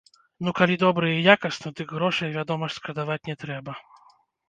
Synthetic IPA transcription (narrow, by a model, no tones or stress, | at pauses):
nukalʲid̪ɔbɾɨjəijakɐsnɔt̪ɨkɣɾɔʂɐjɐvʲad̪ɔmɐʂskɾɐd̪avatʲnʲɛt̪ɾɛbɐ